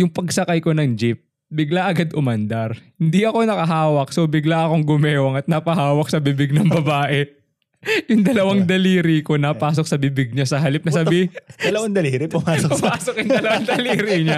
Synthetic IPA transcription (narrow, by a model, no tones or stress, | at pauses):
jʊŋpɐɡsɐkajko̞nɐŋd͡ʒɪp̚ | bɪɡlaʔɐɡad̪ʔʊmɐnd̪ɐɾhɪnd̪iʔɐko̞nɐkɐɦaːwɐk̚so̞bɪɡlaʔɐko̞ŋɡʊmɛːwɐŋɐt̪̚nɐpɐhaːwɐk̚sɐbibɪɡ̚nɐŋbɐbaːʔɛ | jʊŋd̪ɐlɐwaŋd̪ɐliːɾiko̞nɐpaːs̬ok̚sɐbɪbɪɡ̚ɲasɐɦɐlɪp̚nɐsɐbid̪ɐlɐwaŋd̪ɐliːɾipʊmaːpʊmaːsok̚jʊŋd̪ɐlɐwaŋd̪ɐliːɾiɲa